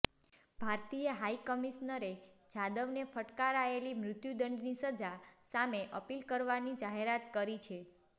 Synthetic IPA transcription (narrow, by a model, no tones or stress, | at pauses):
bʱaɾt̪ijəɦaikəmiʃnəɾed͡ʒad̪əʋnefəʈkaɾaelimɾʊt̪jud̪əɳɖnisəd͡ʒasameʔəpilkəɾʋanid͡ʒaɦeɾat̪kəɾit͡ʃʰe